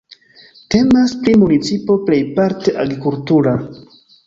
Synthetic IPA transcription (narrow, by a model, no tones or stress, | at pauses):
te̞maspɾimunit͡sipo̞ple̞jpaɾte̞ʔaɡɾikultuɾa